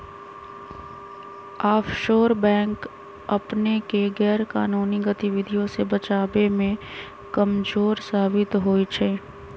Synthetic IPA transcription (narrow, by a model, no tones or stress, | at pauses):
aːfʰʃoːɾbɛ̃ːŋk | ɐpnekeɡɛːɾka̰ːnuːniɡət̪ɪʋɪd̪ʱijõsebɐt͡ʃaːbemẽ | kɐmzoːɾsaːbɪt̪ɦoːit͡ʃʰɛː